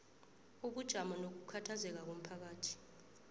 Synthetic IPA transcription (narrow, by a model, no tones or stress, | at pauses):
uɓud̥ʒ̥ʱamɔnok̬ukʰatʰazɛk̬ak̬om̩pʰak̬aːtʰi̥